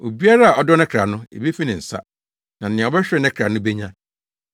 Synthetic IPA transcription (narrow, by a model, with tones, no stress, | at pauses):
o˨bi˦a˦ɾa˦a˨ɔ˦dɔ˦nɛ̃˦kʰɾa˨nʊ̃˦ḛ˨be˦fi˦nɪ̃˨n̩˨sa̰˦ | nã˨n˨ɪ̃˨bɛ˦ɕᶣɛ˦nɛ̃˦kʰɾa˨nʊ̃˦be˦ɲã˦